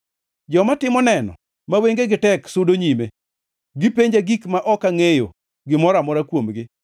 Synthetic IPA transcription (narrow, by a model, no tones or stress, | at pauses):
d͡ʒɔmatɪmɔnɛnɔ̰ | maweŋɡeɡɪtɛksʊdoɲime | ɡɪpeɲd͡ʒaɡikmaʔɔkaŋejo̰ | ɡɪmɔɾamɔɾakwomɡɪ